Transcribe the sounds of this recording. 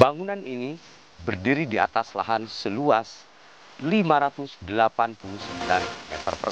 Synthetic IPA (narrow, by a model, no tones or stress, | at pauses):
baŋunanini | bərdiɾidia̰t̪asla̰ɦansəluas | limaɾat̪usdəlapanpulusəmbilanmɛt̪ə̰rpə̰r